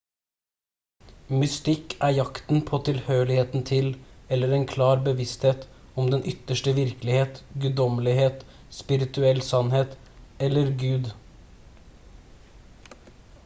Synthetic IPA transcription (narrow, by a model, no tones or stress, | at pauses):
mʉst̪ɪkæːɾjɑkt̪n̩pʰoːt̪ʰɪlhøːɭɪheːt̪n̩t̪ʰɪlɛlːəɾeːnkʰlɑːɾbəʋɪst̪heːt̪ | ɔmd̪ɛnʔʏt̪əʂʈəʋɪɾklɪheːt̪ɡʉːd̪ɔməlɪheːt̪ | spɪɾɪt̪ʉɛlsɑnheːt̪ | ɛlːəɾɡʉːd̪